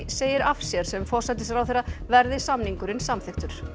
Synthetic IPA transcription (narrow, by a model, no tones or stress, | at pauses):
seːjɪɾafsjɛɾ̥sɛmfɔr̥sat̪̬ɪsjɛɾawθeːɾːavɛɾðɪsamniŋkʏɾɪnsamθɪxt̪ʏɾ̥